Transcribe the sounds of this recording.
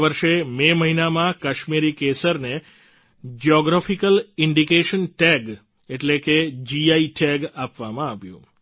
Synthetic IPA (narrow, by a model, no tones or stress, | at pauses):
ʋəɾʃememəɦinamãkaʃmiɾikesəɾne | d͡ʒiɔɡɾafikəlɪɳɖikeʃənʈɛɡ | eʈleked͡ʒiaiʈʰɛɡapʋamãaʋjṵ̃